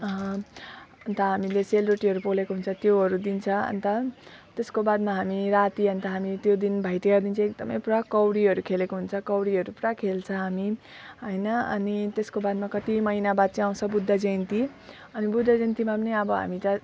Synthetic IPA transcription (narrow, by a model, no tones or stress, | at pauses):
ʌɦʌ̃ | ʌnt̪ʌɦamileselroʈiɦʌɾupolekoɦunt͡sʰʌt̪joɦʌɾud̪int͡sʰʌʌ̰nt̪ʌt̪eskobad̪maɦamiɾat̪iʌnt̪ʌɦamit̪jod̪inbʱʌjʈ̪eʌd̪int͡sʰʌ̃ek̚d̪ʌmʌ̰jpuɾakʌwɽiɦʌɾukʰelekoɦunt͡sʰʌkʌwɽiʌɾupuɾakʰelt͡sʰʌ̃ɦami | ɦʌjnʌʌ̰nit̪eskobad̪makʌt̪imʌjnabad̪̚t͡siaw̃t͡sʰʌbud̪ʱːad͡zent̪i | ʌnibud̪ʱːad͡zent̪imapʌniʌbʌɦa̰mit̪ʌ